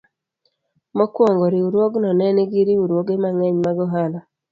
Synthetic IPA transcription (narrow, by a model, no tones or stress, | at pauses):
mokwoŋɡoɾiuɾwoɡnɔnɛniɡiɾiuɾwoɡemaŋɛɲmaɡɔɦala